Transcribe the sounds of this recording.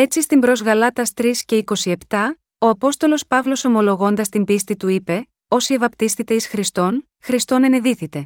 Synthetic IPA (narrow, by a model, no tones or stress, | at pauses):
e̞t͡sist̪imbɾo̞zɣɐlɐt̪ɐst̪ɾisce̞iko̞sie̞pt̪ɐ | o̞ɐpo̞st̪o̞lo̞spɐvlo̞so̞mo̞lo̞ɣo̞nd̪ɐst̪imbist̪it̪uipe̞ | o̞sie̞vɐpt̪isθit̪e̞isxɾist̪o̞n | xɾist̪o̞ne̞neðiθit̪e̞